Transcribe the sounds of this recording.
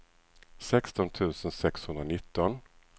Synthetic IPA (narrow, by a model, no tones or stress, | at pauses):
sɛkst̪ɔnt̪ʰʉ̟ːsənsɛkshɵnd̪ɾanɪt̪ːɔn